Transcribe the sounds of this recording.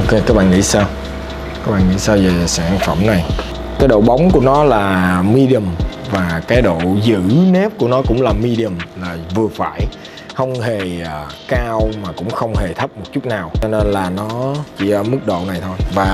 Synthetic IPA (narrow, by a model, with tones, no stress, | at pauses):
ke˧kaː˦˥k̚ɓa̰ː˧˨ŋḭ˧˥saː˧w | kaː˦˥k̚ɓa̰ː˧˨ŋḭ˧˥saː˧wze˨˩saː˧˩nfə˧˩mna˨˩j | kaː˨˦jɗo̰˧˨ɓa˨˦wŋ͡mku˧˩ənɔ˨˦laː˨˩mi˧ɗi˧ə˨˩mvaː˨˩kaː˨˦jɗo̰˧˨zɨ̰˧˥nɛ˦˥p̚ku˧˩ənɔ˨˦kʊ̰˧˥ŋ͡mlaː˨˩mi˧ɗi˧ə˨˩mlaː˨˩vɨ˨˩əfaː˧˩j | xə˧wŋ͡mhe˨˩ə˨˩kaː˧wmaː˨˩kʊ̰˧˥ŋ͡mxə˧wŋ͡mhe˨˩t̪ʰə˦˥p̚mo˨˩t̚t͡ɕu˦˥t̚naː˨˩wt͡ɕɔ˧ne˧nlaː˨˩nɔ˨˦t͡ɕḭ˧˩˧mɨ˦˥k̚ɗo̰˧˨na˨˩jt̪ʰo˧jvaː˨˩